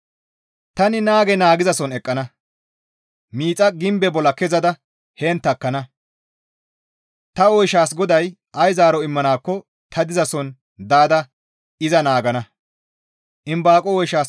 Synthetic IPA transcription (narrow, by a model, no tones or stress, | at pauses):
t̪ɐnɪnaːɡɛnaːɡɪzɐsɔnɛkʼːɐnɐ | miːt͡sʼɐɡɪmbɛbɔlɐkɛzɐd̪ɐ | heːnt̪ːɐkːɐnɐ | t̪ɐɔjʃaːsɡɔd̪ɐj | ʔɐjzaːɾɔɪmːɐnaːkːɔ | t̪ʰɐd̪ɪzɐsɔn | d̪aːd̪ɐ | ɪzɐnaːɡɐnɐ | ʔɪmbaːkʼɔɔjʃaːs